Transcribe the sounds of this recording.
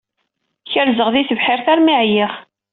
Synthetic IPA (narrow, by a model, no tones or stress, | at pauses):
çəɾzəʁðiθəvħɪɾθæɾmiʕjiχ